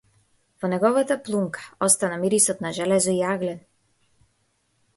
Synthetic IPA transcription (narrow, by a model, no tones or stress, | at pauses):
vɔnɛɡɔvat̪aplˠumkʰḁɔst̪anamiɾisɔt̪naʒɛlɛzɔiaɡlɛn